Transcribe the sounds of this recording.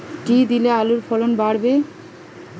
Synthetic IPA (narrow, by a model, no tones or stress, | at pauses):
ʈid̪ilealuɾfɔlonbaɽbe